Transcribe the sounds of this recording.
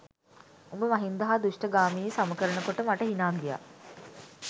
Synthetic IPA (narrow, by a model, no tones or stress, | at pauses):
ombəmaɦind̪ɐɦaːd̪uʂʈəɡaːmiːsaməkəɾənəkoʈəmaʈəɦinaːɡija̰